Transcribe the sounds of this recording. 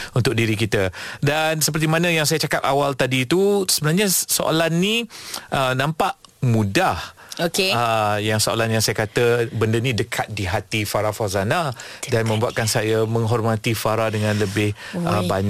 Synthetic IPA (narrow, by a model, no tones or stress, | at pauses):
unt̪ʊk̚diɾikit̪ədansəpərt̪imanə̃jaŋsajat͡ʃakap̪awalt̪adiːt̪usəbənarɲasoʔo̰lanːiʔənãmpaʔmũdah | okeəjaŋsoo̰lanjaŋsajakat̪əbəndənĩdəkʰat̪̚diɦat̪ifaɾafazanadanmə̃mbuaʔ̪̚kansajamə̃ŋɦɔrmãt̪ifaɾadəŋãnləbɪhəbaɲ